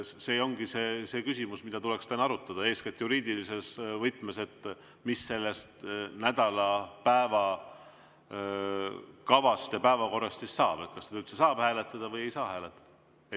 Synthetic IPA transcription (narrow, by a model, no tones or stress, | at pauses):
se̞ːo̞ŋɡ̥ise̞ːse̞ːkysʲimusmid̪̥ɑt̪ule̞kst̪ænːɑɑɾut̪ːˑɑd̪̥ɑe̞ːsket̪juɾiːd̪̥ilise̞svɤjt̪ːˑmese̞t̪ːˑ | misːe̞lːe̞st̪næd̪ɑlɑpæevɑ | kɑvɑst̪jɑpæevɑko̞rːɑst̪sissɑːb̥e̞t̪̚kɑsne̥yt̪se̞sɑːb̥hæːlet̪ˑːɑd̪̥ɑvɤje̞jsɑːhæːlet̪ːˑɑ̥d̪̥ɑ